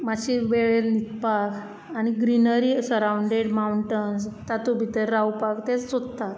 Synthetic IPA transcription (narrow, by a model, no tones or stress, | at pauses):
mat͡ɕiʋeɭenit̪pak | aɽ̃iɡɾinəɾisəɾawɳɖeɽmauɳʈənst̪at̪ubʱit̪əɾːawpakt̪et͡st͡sott̪ːat̪